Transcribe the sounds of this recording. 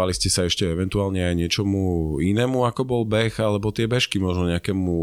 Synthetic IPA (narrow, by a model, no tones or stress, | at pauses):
aliscɛsaɛʃcɛɛʋɛnt̪uaːlɲɛajɲɪɛt͡ʃɔmuinɛːmuakɔbɔlbɛxalɛbɔt̪ɪɛbɛʃkimɔʒnɔɲɛakɛːmu